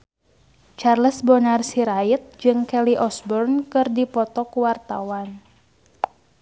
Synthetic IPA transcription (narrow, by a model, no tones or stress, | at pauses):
t͡ʃarləsbɔnarsiɾait̪̚d͡ʒɨŋkɛliʔɔsbɔrnkɨrdipɔt̪ɔkuwart̪a̰wan